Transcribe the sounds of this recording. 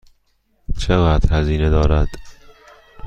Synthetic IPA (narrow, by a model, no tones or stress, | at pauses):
t͡ʃʰeɣæːd̪̥hæziːned̪ɒːɾæd̪̥